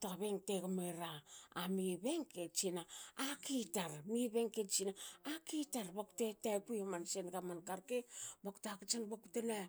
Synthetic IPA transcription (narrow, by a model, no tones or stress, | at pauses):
toaβeŋteɡameɾaamiβeŋket͡ʃinaakitaɾmiβeŋket͡ʃinaakitaɾbaku̥tetajkujomansenɡamankaɾkebaku̥takat͡ʃanbakutena